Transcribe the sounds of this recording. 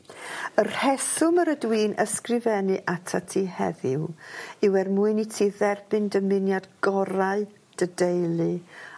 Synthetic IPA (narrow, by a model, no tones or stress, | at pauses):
ər̥hɛθʊməɾədwiːnʔəskrɪvɛnɨʔatʰatʰiːhɛ̰ðɪwɪwɛrmuɨnitʰiːðɛrb̥ɨndəmɪnjadɡ̥ɔɾaɨ | d̥ədejlˠɨ